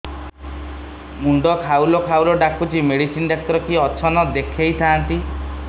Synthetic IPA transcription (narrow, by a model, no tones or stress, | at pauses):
muɳɖɔkʰawlɔkʰawlɔɖakut͡ʃimeɽisinɖak̚t̪ɔɾɔkiɔt͡ʃʰɔnɔd̪ekʰejt̪ʰaant̪i